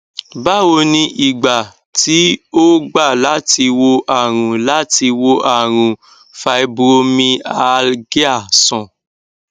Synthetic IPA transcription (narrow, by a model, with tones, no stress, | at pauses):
ba˦wo˧nĩ˧ʔi˨ɡ͡ba˨ | ti˨˦o˦ɡ͡ba˦˨la˨˦ti˧wo˧ʔa˨ɾ̃ũ˨la˨˦ti˧wo˧ʔa˨ɾ̃ũ˨ | fa˧i˦˧bo˧mĩ˧a˨˧lɡi˦a˦˨sɔ̃˨